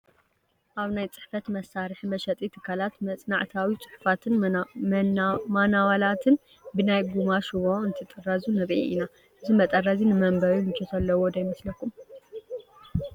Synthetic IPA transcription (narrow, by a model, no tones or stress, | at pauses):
ʔaβnajt͡sʼɨ̥ħfɐt̪mɐsːaɾɨħmɐʃɐt̪ʼit̪ʰɨkʰalat̪mɐt͡sʼnaʕt̪ʰawit͡sʼɨ̥ħfat̪ʰɨnmmanawalat̪ʰɨn | bɨnajɡumaʃɨβoɨnt̪ʰɨt̪ʼɨrːazunɐβʔḭʔina | ʔɨzimɐt̪ʼɐrazinɨmɐmbɐɾumɨt͡ʃʰːot̪ʰɐlːɐwod̪ɐjmɐslɐkːum